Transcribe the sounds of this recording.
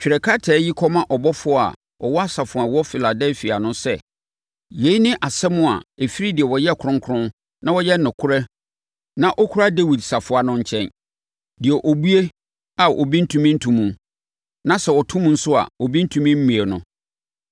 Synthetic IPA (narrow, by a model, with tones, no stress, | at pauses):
t͡ɕᶣi˨ɾɛ˨kʰa˦tʰɛː˨˦ji˦kʰɔ˦mã˦ʔɔ˨bɔ˦fʊ˦a̰˨ | ɔ˨wɔ˦a˦sa˨fʊ˨a˨wɔ˦fi˨la˨dɛ˦lfi˨a˨nʊ̃˦sɛ˦ | je˨i˦nɪ̃˦ʔa˨sɛ˦mʊ̃˦a̰˨e˨fi˦ɾi˦dɪ˨ɛ˨wɔ˨jɛ˦˨kʰʊ̃˦ŋkʰʊ˦ɾʊ̃˦n | nã˦wɔ˦jɛ˦nʊ̃˨kʰʊ˦ɾɛ˦ | nã˦ʔɔ˦kʰu˦ɾa˦de˦wi˨dsa˨fʊ˨a˨nʊ̃˦ɲ̩˦t͡ɕʰɛ̃˦n | dɪ˨ɛ˨ʔo˨bu˦e˦ | a˨ʔɔ̰˨bi˦n̩˦tʰũ˦mĩ˦n̩˦tʰũ˨mũ˨ | nã˦sɛ˨wɔ˨tʰũ˦mũ˨n̩˦sʊ˦a̰˨ɔ˨bi˦n̩˦tʰũ˨mĩ˦m̩˦mĩ˨e˨nʊ̰̃˨